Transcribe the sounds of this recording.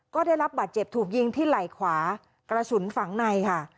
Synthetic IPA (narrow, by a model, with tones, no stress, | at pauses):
kɔː˥˩da˥˩jɾa˦˥p̚baː˨˩t̪̚t͡ɕe˨˩p̚t̪ʰuː˨˩k̚ji˧ŋt̪ʰiː˥˩la˨˩jkʰwaː˩˦ | kɾa˧su˩˦nfa˩˦ŋna˧jkʰa˥˩